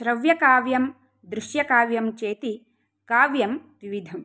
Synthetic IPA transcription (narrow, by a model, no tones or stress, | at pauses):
ʃɾɐʋjɐkaːʋjɐm | d̪ɾuʃjɐkaːʋjɐmt͡ʃeːt̪i | kaːʋjɐmʋiʋid̪ʱɐm